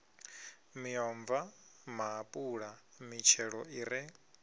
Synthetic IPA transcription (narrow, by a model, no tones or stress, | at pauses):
miɔɱvamaːpʼuɺa | mit͡ʃʰɛɺɔiɾɛ